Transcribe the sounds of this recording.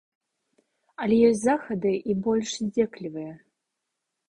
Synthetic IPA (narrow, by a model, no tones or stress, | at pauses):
alʲɛjɔsʲzaxɐd̪ɨʔibɔlʲʂzʲd͡zʲeklʲivɨjɛ